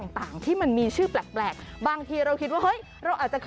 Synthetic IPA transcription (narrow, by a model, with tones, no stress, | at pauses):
ŋt̪aː˨˩ŋt̪ʰiː˥˩ma˧nmiː˧t͡ɕʰɯː˥˩plɛː˨˩k̚plɛː˨˩k̚baː˧ŋt̪ʰiː˧ɾa˧wkʰi˦t̪̚waː˥˩hɤ˦˥j | ɾa˧wʔaː˨˩t͡ɕa˨˩kʰ